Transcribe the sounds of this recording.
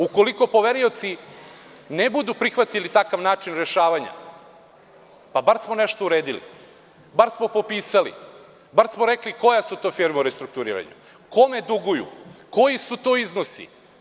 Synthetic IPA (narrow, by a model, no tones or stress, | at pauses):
uko̞liko̞po̞ʋeɾio̞t̪si | nebud̪upɾixʋat̪ilit̪akaʋnaːt͡ʃinɾeʃaːʋaɲa̰ | pabaɾsmone̞ʃt̪ouɾeːd̪ilḭ | baɾsmo̞po̞piːsalḭ | baɾsmoɾekliko̞jasut̪o̞fiɾmauɾest̪ɾuk̚t̪uɾḭːɾa̰ɲṵ | ko̞me̞d̪uɡujṵko̞jisut̪oːiznosḭ